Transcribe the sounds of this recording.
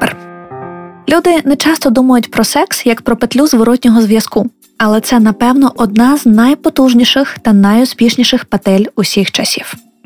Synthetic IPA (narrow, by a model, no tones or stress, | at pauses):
r | lʲud̪ɪnɛt͡ʃɑst̪ɔd̪umɐjʊtʲpɾɔsɛksjɐkpɾɔpet̪lʲuzʋɔɾɔtʲnʲɔɦɔzʋʲjɐsku | ɐlˠɛt̪sɛnɐpɛwnɔʔɔd̪̚nɑznɐjpɔt̪uʒnʲiʃɪxt̪ɐnɐjʊspʲiʃnʲiʃɪxpɐt̪ɛlʲusʲixt͡ʃɐsʲiw